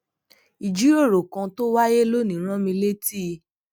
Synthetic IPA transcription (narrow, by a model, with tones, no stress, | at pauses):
i˨d͡ʒi˨˦o˦˨ɾo˨kã˧to˦wa˦je˦lo˦nĩ˨˦ɾ̃ã˦mĩ˧le˦ti˦˨